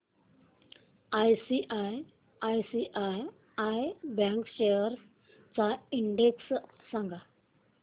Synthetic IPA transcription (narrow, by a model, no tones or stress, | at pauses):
ajsiʔaj | ajsiʔaj | ajbɛ̃ŋkɕejəɾ | t͡saiɳɖeks | sãŋɡa